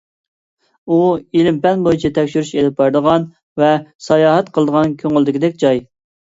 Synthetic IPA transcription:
uilɪmpɛnbojit͡ʃʰɛt̪ʰɛkʲʃyɾyʃelɪp̚bɑɾd̪əʁɑn | vɛsɑjɑːɦɛt̪qʰəlˠd̪əʁɑnkʲʰøŋyld̪ɪkʲɪd̪ɛkʲd͡ʒɑj

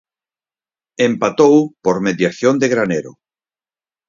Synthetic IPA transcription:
empat̪owpoɾmeðjaθjond̪eɣɾaneɾo̰

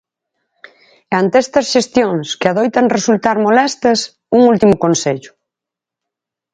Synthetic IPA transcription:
ant̪ɛst̪ɐsʃest̪joŋskɪaðojt̪ɐŋresult̪aɾmolɛst̪ɐs | uŋult̪imʊkonseʎʊ̥

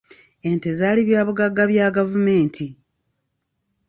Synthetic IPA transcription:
e̞nte̞zaliβjaːβuɡaɡːaβjaːɡavume̞ːntʰi

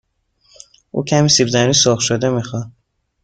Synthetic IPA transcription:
ʔṵːcʰæmiːsibzæniːsoxʃod̪emixɒ

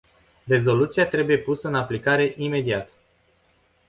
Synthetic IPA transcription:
re̞zo̞lut̪siat̪ɾe̞buje̞pusəɨnaplikaɾe̞ʔime̞d̪iat̪

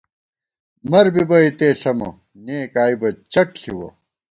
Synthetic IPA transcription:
mɐɾbibɐit̪eːɬɐmɐ̰ | neːkaːibɐt͡ɕɐʈ̚ɬiwɐ̰

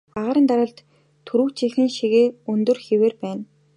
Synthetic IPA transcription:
aʁaːɾə̆nt̪aɾə̆ɮt̪ʰ | ɵɾuːwt͡ɕʰixɘ̆ŋʃiɣeːɵnt̪ɵ̆rxeweːrpæːn

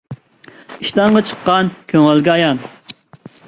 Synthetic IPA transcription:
iʃt̪ɑŋʁɑt͡ʃʰə̥qːɑnkʲʰøŋɛlɡʲɛɑjɑn

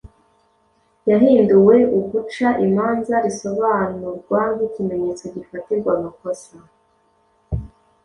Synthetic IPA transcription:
jaɦiːnduwe̞uɡut͡ʃaʔimaːnzaɾiso̞βaːnuɾɡwaicime̞ɲe̞t͡so̞ɟifatiɾɡwaːmako̞sa

